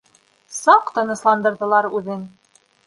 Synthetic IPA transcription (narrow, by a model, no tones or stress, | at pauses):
sɑqt̪ɤ̆nɤ̆slˠɑnd̪ɤ̆ɾðɤ̆lˠɑɾʉðɘn